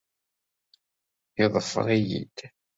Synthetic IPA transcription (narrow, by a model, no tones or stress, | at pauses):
iðˤəfːə̰ɾˤijḭd̪̥